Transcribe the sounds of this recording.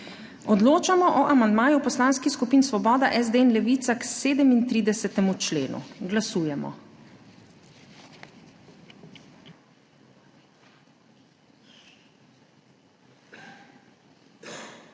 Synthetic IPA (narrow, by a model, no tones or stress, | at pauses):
ɔd̪loːt͡ʃamɔʔɔʔamand̪maːjupɔslaːnskixskupiːnsʋɔbɔːd̪aʔɛzd̪eɛnlɛʋiːt̪sakseːd̪ɛmint̪ɾiːd̪ɛsɛt̪ɛmut͡ʃlḛːnṵɡlasuːjɛmɔ̰